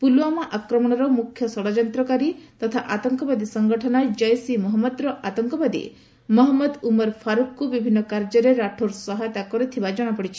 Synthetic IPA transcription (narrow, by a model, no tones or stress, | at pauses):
puluwamaʔakɾɔmɔɽ̃ɔɾɔmukʰːjɔsɔɽad͡ʒɔnt̪ɾɔkaɾit̪ɔt̪ʰaʔat̪ɔŋkɔbad̪isɔŋɡɔʈʰɔnad͡ʒɔjsimɔɦɔmːɔd̪ɾɔʔat̪ɔŋkɔbad̪ḭ | mɔɦɔmːɔd̪umɔɾpʰaɾukkubibʱinːɔkaɾd͡ʒɔɾeɾaʈʰoɾsɔɦajɔt̪akɔɾit̪ʰibad͡ʒɔɽ̃apɔɽit͡ʃʰi̥